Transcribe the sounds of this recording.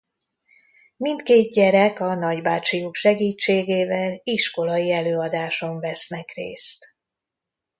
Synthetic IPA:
mint̪keːd̪ɟɛɾɛkɒnɒɟbaːt͡ʃijukʃɛɡiːt͡ʃːeːɡeːvɛliʃko̞lɒjiɛløːɒd̪aːʃo̞ɱvɛsnɛkrḛːst̪

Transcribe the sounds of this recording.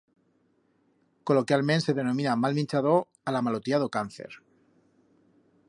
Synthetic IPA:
ko̞lo̞kjalmense̞ðe̞nõmĩnamalmĩnt͡ʃaðo | alamalot̪jað̞okanθe̞̰ɾ

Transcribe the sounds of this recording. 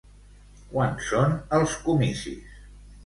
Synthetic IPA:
kwansonəlˠskumisḭs

